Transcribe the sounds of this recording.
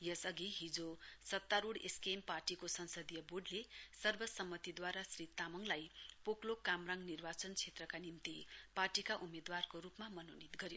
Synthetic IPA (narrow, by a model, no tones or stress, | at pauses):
jʌsʌɡiɦid͡zosʌt̪ːaɾuɽeskemparʈikosʌnsʌd̪ijʌbuɖlesʌrbʌsʌmːʌt̪id̪waɾasrit̪amʌŋlajpoklokamraŋɡnirbat͡sʌnt͡sʰet̪rʌkanimt̪iparʈikaʔumed̪warkoɾupmamʌnonit̪ɡʌɾjo